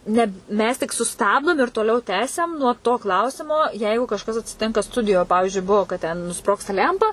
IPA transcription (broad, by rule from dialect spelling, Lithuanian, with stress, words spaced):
ˈnʲɛ ˈmʲɛs tʲɪk sʊˈstɑːbdoːm ɪr toːˈlʲɛʊ ˈtʲæːsʲɛm nuɔ toː ˈklˠɐʊsʲɪmoː ˈjɛɪɡʊ kɐʃˈkɐs ɐtʲsʲɪˈtʲɪŋkɐ ˈstʊdʲɪjoː ˈpɑːʋʲɪʒʲʊɪ ˈbuɔ kɐt tʲɛn nʊˈsproːkstɐ ˈlʲæmpɐ